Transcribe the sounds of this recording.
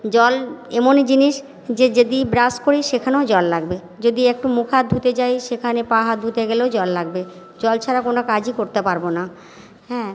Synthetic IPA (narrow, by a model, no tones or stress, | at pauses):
d͡ʑɔlemonid͡ʑiniʃ | d͡ʑed͡ʑed̪ibɾaskoɾiʃekʰaneod͡ʑɔlːaɡbe | d͡ʑod̪iek̚ʈumukʰad̪ʱut̪et͡ɕajʃekʰanepaɦad̪ʱut̪eɡeleod͡ʑɔlːaɡ̚be | d͡ʑɔlt͡ɕʰaɾakonokad͡ʑikoɾt̪epaɾbona | ɦɛ̃ː